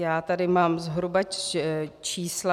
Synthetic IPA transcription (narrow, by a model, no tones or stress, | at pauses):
jaːt̪adɪmaːmzɦɾuba | t͡ʃiːsla